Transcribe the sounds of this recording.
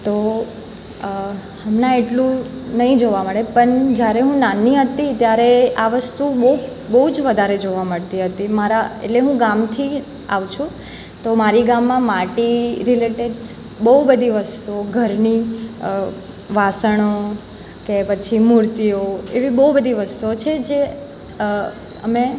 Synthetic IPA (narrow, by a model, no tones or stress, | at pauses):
t̪o | həmnãeʈlũnəɦĩd͡ʒoʋaməɽepəɳd͡ʒjaɾeɦũnaniɦət̪it̪jaɾeaʋəst̪ubəu | bəɦud͡ʒʋəd̪ʱaɾed͡ʒoʋaməɭt̪iɦət̪imaɾaḛʈleɦũɡamt̪ʰi | a̰ʋt͡ʃʰũ | t̪omaɾiɡamːãmaʈiɾileʈeɖ | bəɦubəd̪ʱiʋəst̪uoɡʱəɾni | ʋasəɽ̃o | kepət͡ʃʰimuɾt̪ijoeʋibəɦubəd̪ʱiʋəst̪uot͡ʃʰed͡ʒe | əme